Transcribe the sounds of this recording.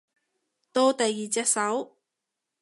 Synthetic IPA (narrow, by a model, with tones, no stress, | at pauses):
t̪o˥˧wt̪ɐ˨jːiː˨t͡sɛː˧t̚sɐ˨˥w